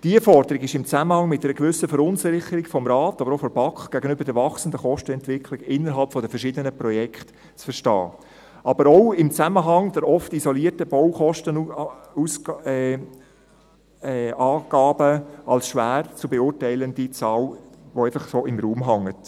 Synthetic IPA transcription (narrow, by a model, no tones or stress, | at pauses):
d̥iəfɔɾd̪əɾiɡɪʃɪmt͡sæməhɑŋmɪt̚dɛɾəɡʋʏsəfəɾʊnsɪɾɪχəɾiɡ̥fɔmɾɑːtɑbəɾoʊfɔɾb̥ɑkχɡ̥æɡənʏbəɾdɛɾvɑχsəndəχɔʃtəɛntʋɪkʰlɪɡɪnːəɾɦɑlpfɔdəfəɾʃɪdənəpɾɔjɛkχt | t͡sfəɾʃtɑ̰ː | ʔɑb̥əɾɔʊɪmt͡sæməɦɑŋd̪̥ɛɾɔftizɔliəɾtəb̥ɔwχɔʃtənus | ɑːɡ̥ɑːb̥əʔɑlsʃʋæːɾt͡subɛʊːɾtæɪlənd̥it͡sɑːlʋoæɪfɑχsoːɪmɾuːmɦɑŋːət